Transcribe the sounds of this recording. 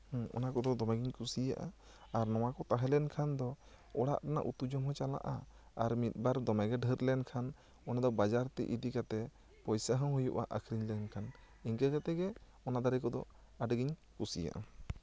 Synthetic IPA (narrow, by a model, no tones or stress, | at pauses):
hɔ̰nakɔd̪ɔd̪ɔmɛɡiɲkusija̰ʔa̰ | aɾnɔw̃akɔt̪aɦɛlɛnkʰand̪ɔ | ɔɽa̰ʔʈana̰ʔṵt̪ud͡ʒɔmɦɔ̃t͡ʃala̰ʔa | aɾmit̪̚ˀbaɾd̪ɔmɛɡɛɖʱəɾlɛnkʰan | ɔnad̪ɔbad͡ʒaɾt̪ɛ̰ʔiɖikat̪ɛ | pɔjsaɦə̃ɦujṵʔa̰ʔakʰɾiɲlɛnkʰan | iɲkɛkat̪ɛɡɛ | ɔnad̪aɾɛkɔd̪ɔ̰ | aɖəɡiɲkusija̰ʔa̰